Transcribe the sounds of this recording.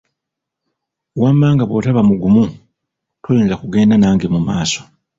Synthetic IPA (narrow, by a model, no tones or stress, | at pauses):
wamːaːŋɡaβo̞̰taβamuɡumu | tojeːnzakuɡe̞ːndanaːŋɡe̞mumaːso̞̥